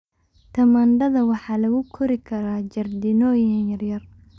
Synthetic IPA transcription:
t̪ʰɐmaːnɖɐðɐwɑħɑːlɐɣʊkʰɔɾɪkʰɐɾaːd͡ʒɐrd̪ɪnɔːjɐnjɐrjɐr

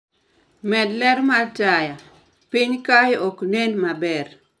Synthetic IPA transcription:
mɛdlɛɾmataja | pɪɲkajɔknenmabɛr

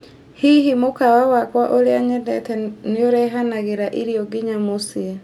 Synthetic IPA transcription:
hiɦimokawawakwaʔoɾeaɲɛdɛtɛnɪoɾɛɦanaɣeɾaʔiɾiɔɡɪɲamosie

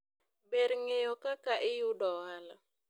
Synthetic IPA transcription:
beɾŋejɔkakaʔɪjʊdɔwala

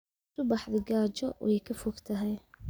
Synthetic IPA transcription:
sʊbɑħðɪɡaːt͡ʃɔwʔɛjkʰɐfɔɡt̪ʰɐɦɛj

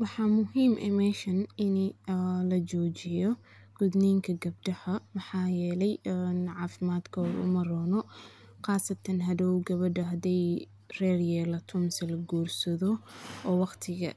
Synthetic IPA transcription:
wɑħɑːmʊɦiːmʔɛmɛːʃɐnɪnlɐt͡ʃɔːt͡ʃɪjɔ | ɡ̥ʊd̪nɛːŋkʰɐɡɐb̚ɖɐħɐmɐħɑːjɛːlɛjnʕɑːfɪmaːd̪kʰɐɾʊ̰mɐrɔːnɔ | qɑːsɐt̪ʰɐnɦɐðɔwɡɐβɐɖɐɦɐd̪ɛj | rɛːrjɛːlɐt̪ʰʊmsɐlɐɡuːrsɐðɔɔːwɑqt̪ʰɪɣɐ̰

